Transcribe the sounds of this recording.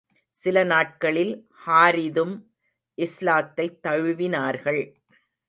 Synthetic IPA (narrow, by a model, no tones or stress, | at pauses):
sɪlɐnaːʈ̚kɐɭɪl | haːɾɪðɯm | ʔɪslaːt̪ːɐɪt̪ːɐɻɯʋɪnaːɾɣɐɭ